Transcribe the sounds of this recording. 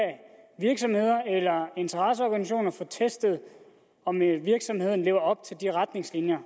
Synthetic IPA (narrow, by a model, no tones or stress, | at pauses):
ʋiɐɡ̥sɒ̽mhe̝ð̞̰ˠɐelɐe̝nt͡sʰɐʁɑs̬əɒɡ̥æniɕo̝̰ːnɐfɒt͡sʰesd̥əð̞ˠ | ɒ̽meʋiɐɡ̥sɒ̽mhe̝ð̞̰ˠn̩le̝ːʊɐɒ̽b̥̚t͡sʰe̝ld̥iʁad̥ne̝ŋslinjɐ